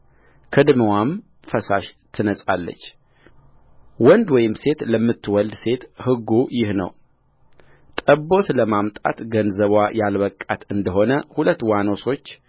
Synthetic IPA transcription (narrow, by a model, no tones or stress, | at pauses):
kʰɨd̪məwam | fəsaʃt̪ʰɨnəsʼalːə̰t͡ʃː | wɔnd̪wɔjɪmse̞t̪ləmːɨt̪ʰːwɔld̪se̞t̪hɨɡːujɪhnə̰w | t̪ʼəbo̞t̪ləmamt̪ʼa̰t̪ɡənzəβwajalβəkʼːa̰t̪ɨnd̪əɦo̞nəhulət̪ːwano̞so̞t͡ʃː